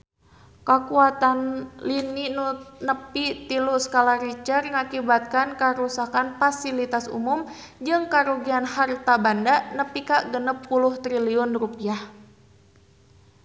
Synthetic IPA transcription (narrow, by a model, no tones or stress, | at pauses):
kakuat̪anlininunəpit̪iluskalaɾit͡ʃərŋakibat̪̚kankaɾusakanfasilit̪asṵmum | d͡ʒɨŋkaɾuɡianhart̪abandanəpikaʔɡənəp̚ːuluht̪ɾiliɔnrupiah